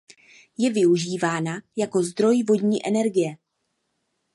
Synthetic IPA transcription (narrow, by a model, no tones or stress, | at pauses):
jɛvɪuʒiːvaːnajako̞zd̪ɾo̞jvo̞dɲiːʔɛnɛɾɡɪjɛ